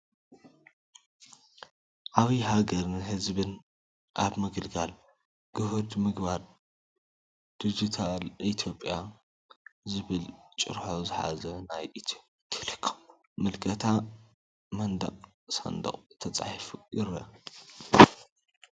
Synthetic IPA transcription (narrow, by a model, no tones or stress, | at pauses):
ʔaβiɦaɡɐɾnɨɦɨzbɨn | ʔa̰βmɨɡɨlɡal | ɡ̥ɨhud̪mɨɡbaɾ | d̪̥id͡ʒit̪ʰalʔit̪ʰjo̞pʼja | zɨβɨlt͡ʃʼɨ̰ɾħozɨħa̰zɐnajʔit̪ʰu̥ | t̪ʰi̥lɨkʰːo̥m | mɨlkʼʰɐt̪ʰa | mɐnd̪ɐ̰qʼ | sɐ̰nd̪ɐ̰qʼt̪ʰɐt͡sʼa̰ħfujɪɾɐ̰